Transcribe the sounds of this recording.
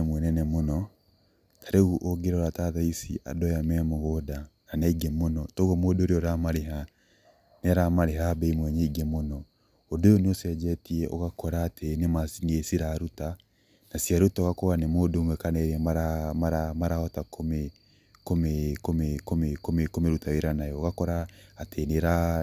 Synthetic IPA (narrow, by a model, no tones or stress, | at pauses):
mwɛnɛnɛmonɔ | tʰaɾeuʔoɡeɾoɾataðaisiʔa̰dɔjamɛmoɣodananaiɡemonɔtoɣɔmodoɾeɔɾamaɾeɦa | neaɾamaɾeɦabeimwɛɲeiɡemonɔ | odojɔnosɛd͡ʒɛtiɛʔɔɣakɔɾaːtʰenemasiŋesiɾaɾuta | nasiaɾutaɔoɣakɔɣanemoːdomwɛkanɛɾɛmaɾamaɾamaɾaɔtakʰome | komekomekomekomekomeɾutaweɾanajɔoɣakɔɾaːteneɾa